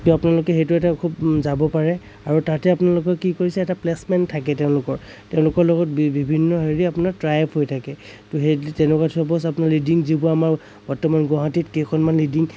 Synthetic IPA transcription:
tuapunalʊkɛɦejtuɛtakʰupzabɔpaɹɛ | aɹutatɛapunalʊk̬ɔkikoɹisɛɛtaplɛsmɛntʰakɛtɛʊ̃lʊkɔɹ | tɛʊ̃lʊkɔɹlɔɡɔt̚bibʱinːɔɦeɹiapʊnaɹtɹajpʰɦojtʰakɛ | tuɦetɛnɛkatʰɔpɔsapunaɹlidiŋzibʊamaɹ | b̥ɔɹtɔmanɡɔɦatitkekʰɔnmanlidiŋ

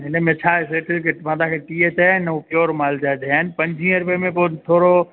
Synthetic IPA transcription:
ɦɪnəmẽt͡ʃʰaːeseːʈʰɪlkʰemãd̪ãkʰeʈiet̪ːanupjoːɾmaːld͡ʒaːed̪eaːnɪ̆pɐ̃ɲd͡ʒʱĩəɾʊpemẽpoːt̪ʰoːɾo

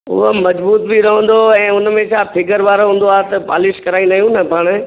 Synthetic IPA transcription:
ʊ̰ɦəmɐd͡ʑbuːt̪bʱiɾɐɦə̃n̆d̪oɛ̃ːʊnmẽt͡ɕʰaːpʰɪɡəɾʋaːɾoɦũːn̆d̪oaːɦt̪ɐpa̰ːlɪʃkɐɾaːĩnd̪aːijũnɐpaːɽ̃̆

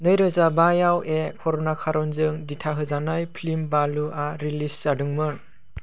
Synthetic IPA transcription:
nɯjɾɯzabajawʔekʰɔɾɔnakʰaɾɔnzɯŋditʰaɦɯzanajpʰlimbaluʔaɾilisz̥adɯŋmɯ

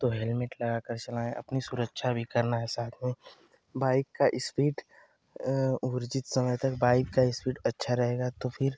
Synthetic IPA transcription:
t̪oɦɛlmɪʈlɐɡakəɾt͡ʃɐlaːẽʔɐ̰pnisʊɾəkʃʰabʱikɐɾnaɦɛsaːt̪ʰmẽ | baːɪkːaʔɪspiːʈ | ʊɾd͡ʒɪt̪sɐməjt̪ɐkbaːɪkːaɪspiːʈɐtːʃʰaɾɐɦeːɡat̪opʰɪɾ

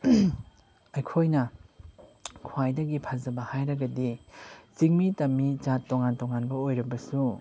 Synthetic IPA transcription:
ɐjkʰojnɐ | kʰwajdɐɡipʰazɐbɐhajɾɐɡɐdit͡ʃiŋmitɐmit͡ʃatːoŋantoŋanbɐojɾɐbɐsu

